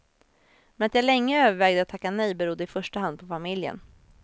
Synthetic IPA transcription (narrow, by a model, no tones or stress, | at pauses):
mɛnat̪jalɛŋːəøːvəɾvɛːɡd̪əat̪ʰːakːanɛjbɛɾʊd̪ːəɪfœʂʈaɦand̪̚pʰɔfamɪljə̰n